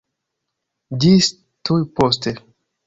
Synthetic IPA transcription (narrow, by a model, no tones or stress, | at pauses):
dis | tujpost̪e